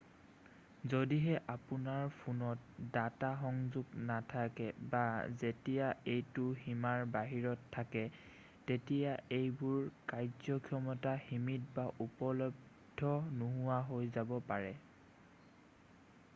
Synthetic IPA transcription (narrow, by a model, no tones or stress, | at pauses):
zodiɦɛʔapʊnaɹpʰunɔt̚dataxɔŋzuɡnatʰakɛbazetijaejtʊhimaɹbaɦiɹɔtʰːakɛ | tetijaejbʊɹkajzɔkʰijɔmɔtahimit̚baʔupɔlɔb | dʱɔnuɦʊwaɦojzabɔpaɹɛ